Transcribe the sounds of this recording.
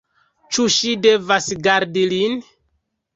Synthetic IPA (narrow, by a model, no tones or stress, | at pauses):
t͡ʃuʃide̞vasɡaɾdilin